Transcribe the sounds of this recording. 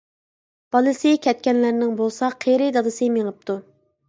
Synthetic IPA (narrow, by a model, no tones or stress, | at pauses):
b̥ɑlˠɨsɪkʲʰɛt̪̚kʲɛnlæɾnɪŋbolˠsɑqʰeɾɪd̪ɑd̪ɨsɨmeŋəp̚t̪ʰu